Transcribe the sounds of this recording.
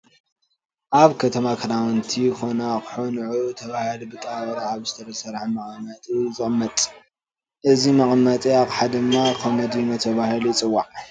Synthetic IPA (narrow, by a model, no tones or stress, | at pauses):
ʔaβkʰɐt̪ʰɐmakʰɐdawnt̪ʰijxo̞nakɨ̥ħonʕut̪ʰɐβahilubɨt̪ʼawɾaβzɨt̪ʰɐɾɐsɐɾħamɐkʼmɐt̪ʼizɨχʼmːɐt̪ʼ | ʔɨzimɐχʼmɐt̪ʼiaβħad̪ɨmːakʰomɐd̪imɐt̪ʰɐβahiluit͡sʼɨwːaʕ